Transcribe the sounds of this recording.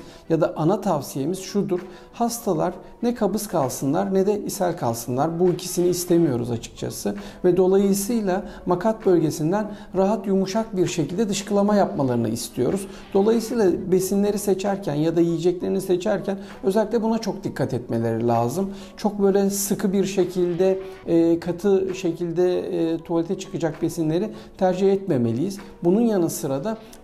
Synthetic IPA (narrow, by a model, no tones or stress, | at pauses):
jad̪aʔanat̪ʰavsije̞miz̥ʃud̪uɾ̥ | hast̪ʰalˠaɾ | nɛkʰabɯskʰalˠsɯnlˠaɾnɛd̪ɛʔisælʲkʰalˠsɯnlˠaɾbuilʲcʰisiniːst̪ʰemijo̞ɾṵzat͡ʃʰɯ̥k̚t͡ʃʰa̰sɯvɛd̪o̞lˠajɯsɯjlˠamakʰat̪̚bø̞lʲɟe̞sind̪æn | ɾaɦat̪jumuʃak̚biɾʃecilʲd̪ɛd̪ɯʃkɯlˠamajapmalˠaɾɯnɯ̰ist̪ʰijo̞̰ɾuz | d̪o̞lˠajɯsɯjlˠabe̞sinlʲe̞ɾise̞t͡ʃʰæɾcʰænjad̪ajijid͡ʒɛclʲe̞ɾinise̞t͡ʃʰæɾcʰæn | øzɛlʲiclʲɛbunat͡ʃʰo̞k̚d̪ikʰːat̪ʰɛt̪me̞lʲe̞ɾilʲa̰ːzɯm | t͡ʃʰo̞k̚bø̞jlʲɛsɯkʰɯbiɾʃe̞cʰilʲd̪ɛkʰat̪ʰɯʃe̞cʰilʲd̪ɛt̪ʰolʲit̪ʰɛt͡ʃʰɯ̥kɯd͡ʒak̚be̞sinlʲe̞ɾit̪ʰæɾd͡ʒihɛt̪me̞me̞lʲijiz̥ | bununjanɯsɯɾad̪a